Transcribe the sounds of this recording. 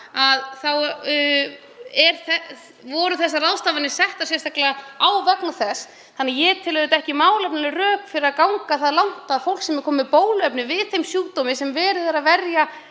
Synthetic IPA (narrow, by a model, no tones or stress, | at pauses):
aðθaw | ɛɾθɛ | vɔɾʏθɛsːaraðst̪avanɪsɛht̪ḁsjɛst̪ʰaklɛɣaawvɛknaθɛs | θanːajɛt̪ʰɪlvɛðɪt̪aɛhcɪmaːwlɛpnɪnɪrœːkfɪɾɪɾakawŋkaθaðlawn̥t̪aðfowl̥ksɛmɛɾkʰɔːmɪpoːwlœpnɪvɪðθejmsjuːt̪ɔmɪsɛmvɛːɾɪðɛɾavɛɾja